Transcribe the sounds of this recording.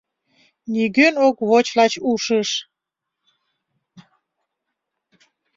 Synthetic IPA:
nʲiɡønokβot͡ɕlɑt͡ɕuʃəʃ

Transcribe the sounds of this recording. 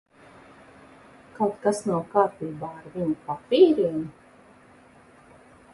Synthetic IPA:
kawt̪kasnawkaːpiːbaːaɾviɲupapʲiːɾiɛni

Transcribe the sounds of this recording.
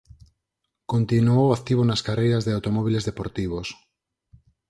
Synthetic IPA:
kõnt̪inuowak̚t̪iβ̞onaskarejɾazðeawt̪omoβilezðepoɾt̪iβ̞os

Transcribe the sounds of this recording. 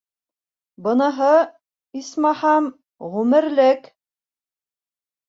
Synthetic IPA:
bɤ̆nɤ̆ɦɤ | ismɑhɑm | ʁʉmɘ̆ɾlɘk

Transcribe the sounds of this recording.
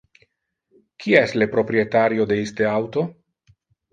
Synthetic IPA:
kʰiaestlepɾo̞pɾiet̪aɾio̞d̪eist̪eawt̪o̞

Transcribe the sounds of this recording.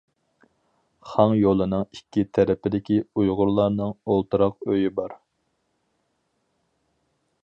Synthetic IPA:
χɑŋjolˠɨnɨŋikʲːit̪ʰɛɾɪpɪd̪ɪkʲiujʁʊɾlˠɑɾnɨŋolˠt̪ɨɾɑqøjibɑɾ

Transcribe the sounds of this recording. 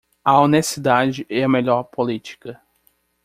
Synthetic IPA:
ɐonesid̪ad͡ʒɪʔɛɐmeʎɔɾpolit͡ʃi̥kɐ

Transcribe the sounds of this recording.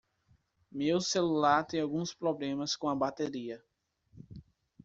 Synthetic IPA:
mewselulaɾt̪ẽawɡũspɾoblẽmɐskõɐbat̪eɾiɐ

